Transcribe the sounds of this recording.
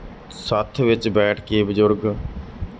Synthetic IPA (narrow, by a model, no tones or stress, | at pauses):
sət̪ʰʋɪt͡ʃbɛːʈʰkeːbəzʊɾɡ